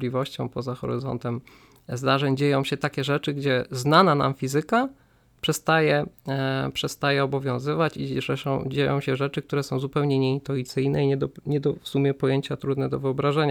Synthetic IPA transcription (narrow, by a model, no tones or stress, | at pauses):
lʲivɔɕt͡ɕɔ̰̃w̃pɔzaxɔ̰ɾɘ̰zɔ̰nt̪ɛm | zd̪aʐɛɲd͡ʑejɔ̃w̃ɕɛt̪akʲɛʐɛt͡ʂɘɡd͡ʑɛznanana̰mfʲizɘka | pʂɛst̪ajɛ | pʂɛst̪ajɛɔbɔvʲjɔ̃w̃zɘvat͡ɕiʐɛʂɔ̃w̃d͡ʑejɔ̰̃w̃ɕɛʐɛt͡ʂɘkt̪uɾɛsɔ̃w̃zupɛwɲɛɲɛint̪uit̪sɘjnɛiɲɛd̪ɔɲɛd̪ɔfsumʲjɛpɔjeɲt͡ɕat̪ɾud̪nɛd̪ɔvɘɔbɾaʐɛɲa